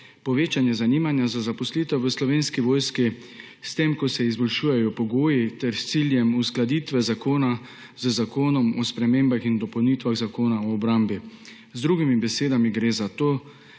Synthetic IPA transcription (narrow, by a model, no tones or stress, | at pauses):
pɔʋeːt͡ʃanjɛzaniːmanjazazapɔsliːt̪ɛwʋəslɔʋeːnskiʋoːjski | st̪emkɔsɛizbɔlʃuːjɛjɔpɔɡoːjit̪ɛɾst̪siljɛmusklad̪iːt̪ʋɛzakoːna | z̥əzakoːnɔmɔspɾɛmẽːmbaxind̪ɔpɐwnit̪ʋaɣzakoːnaɔːbɾambi | zd̪ɾuːɡimibɛseːd̪amiɡɾeːzat̪oː